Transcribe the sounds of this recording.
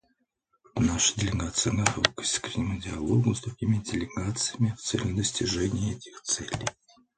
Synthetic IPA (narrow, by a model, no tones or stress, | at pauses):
naʂə̥dʲɪlʲɪɡat̪sɨjəɡɐt̪o̰ki̥sʲkɾʲɪnʲɪmʊdʲɪɐlˠoɡʊzd̪ɾʊɡʲimʲɪdʲɪlʲɪɡat̪sɨjəmʲɪft̪sɛ̰lʲʊd̪əsʲtʲɪʐɛnʲɪjəɛtʲɪ̥xt̪sɛlʲɪ̰j